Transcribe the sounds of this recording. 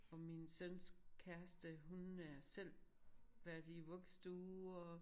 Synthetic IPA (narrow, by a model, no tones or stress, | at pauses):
ɒ̽minsønskʰæɐsd̥əɦunæɐsel̰ʋæɐd̥iʋɔɡ̥sd̥uːɒ